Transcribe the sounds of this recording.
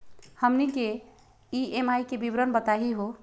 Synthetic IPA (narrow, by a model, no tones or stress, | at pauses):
həmnike | iemajkebibɾənbət̪aɦiɦo